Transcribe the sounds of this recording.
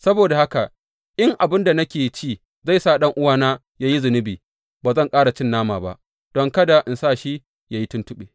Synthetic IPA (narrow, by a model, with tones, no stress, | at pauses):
sɐ˦boː˨da˨ha˦ka˨ | ʔɪ˦ŋʔa˨bɪ˦nda˨nɐ˦kʲeː˨t͡ʃiː˦˨ | za˦˨jsaː˦˨ɗɐ˦ŋʔʊ˦waː˦naː˦ | jaː˦ji˦zɪ˨nɪ˦biː˨ | baː˨zɐ˦˨ŋkʼaː˦ɽa˨t͡ʃɪ˦nːaː˦maː˨ba̰˦ʔ | d̥ɔ˦ŋkɐ˦da˨ʔɪ˨nsaː˦˨ʃi˦ | jaː˦ji˦tʊ˦ntʊ˦ɓeː˨